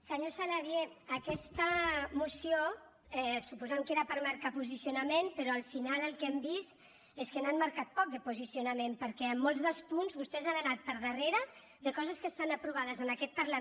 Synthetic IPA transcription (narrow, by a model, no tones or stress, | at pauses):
səɲosalaðjeəkɛst̪əmusio | ɛsupuzamkeɾəpəɾmaɾkapuzisiunəmenpəɾɔəlˠfinaləlˠkɛmbist̪ | eskənanmaɾkat̪̚pɔk̚d̪əpuzisiunəmempəɾkɛəmːolˠzðəlˠspunzβust̪ɛzanənat̪̚pəɾðəreɾə | ðəkɔzəskəst̪anəpɾuβ̞aðəzənakɛt̪̚paɾla